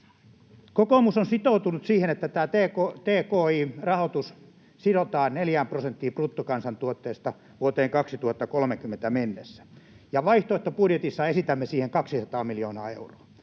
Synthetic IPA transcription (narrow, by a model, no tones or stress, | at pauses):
kokomusonsit̪out̪unut̪siːhenet̪ːæt̪æːt̪eːkot̪eːkoːiːrɑhot̪us | sidot̪ɑːnneljæːmprosent̪ːiːprut̪ːukɑnsɑnt̪uot̪ːeːst̪ɑ | ʋuot̪eːŋkɑksit̪uhɑt̪ːɑkolmekymːent̪æmenːesːæ̥ | jɑʋɑiht̪oˑest̪ːɑpudjet̪isːɑesit̪æmːesiːheŋkɑksisɑt̪ɑːmiljoːnɑ̰ːḛuroɑ